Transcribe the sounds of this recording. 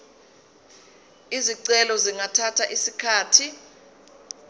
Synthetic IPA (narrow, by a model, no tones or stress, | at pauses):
iziǀɛlɔziŋatʰatʰaʔisikʰaːtʰi